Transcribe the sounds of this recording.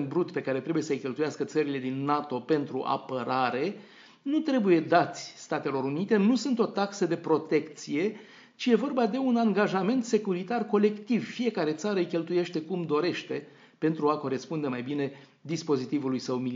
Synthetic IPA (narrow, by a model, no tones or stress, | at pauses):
n̚bɾut̪pe̞kaɾet̪ɾe̞buje̞səjkʲe̞lt̪ujaskət̪səɾile̞d̪inːat̪o̞pe̞nt̪ɾuʔa̰pəɾaɾe̞ | nut̪ɾe̞buje̞d̪at̪sʲst̪at̪e̞lo̞ɾunit̪e̞nusunt̪o̞t̪aksəd̪e̞pɾo̞t̪e̞kt̪sije̞ | t͡ʃije̞vo̞rbad̪e̞unaŋɡaʒame̞nt̪se̞kuɾit̪arko̞le̞kt̪ivfije̞kaɾe̞t̪saɾəjkʲe̞lt̪uje̞ʃt̪e̞kumd̪o̞ɾe̞ʃt̪e̞ | pe̞nt̪ɾuako̞ɾe̞spund̪emajbine̞ | d̪ispo̞zit̪ivulujsəwmi